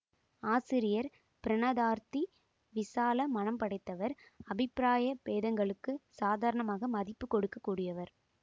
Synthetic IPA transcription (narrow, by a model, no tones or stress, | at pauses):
aːsɪɾɪjɐɾ | pɪɾɐnɐðaːɾt̪i | ʋɪsaːlɐmɐnɐmpɐɽɐɪt̪ːɐʋɐɾɐbɪpːɪɾaːjɐpeːðɐŋɡɐɭɯkːɯsaːðaːɾɐɳɐmaːɣɐmɐðɪpːɯkːɔɽɯkːɐkːuːɽɪjɐʋɐɾ